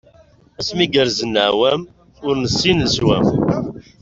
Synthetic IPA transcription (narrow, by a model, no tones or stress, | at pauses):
æsmiɡəɾzənːəʕwæm | ʊɾnəsːinlswæ̰m